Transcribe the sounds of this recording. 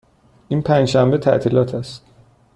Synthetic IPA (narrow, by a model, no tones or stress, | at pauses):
ʔiːnpʰænd͡ʒʃæmbe̞t̪ʰæ̰ʔt̪ʰiːlɒːt̪ʰæst̪